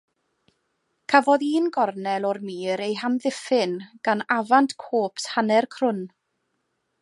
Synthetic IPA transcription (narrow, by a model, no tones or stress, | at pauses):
kʰavɔðiːnɡɔrnɛlˠɔrmiːɾejɦamðɪfɪnɡ̥anavantkʰoːpʰshanɛrkʰr̥ʊn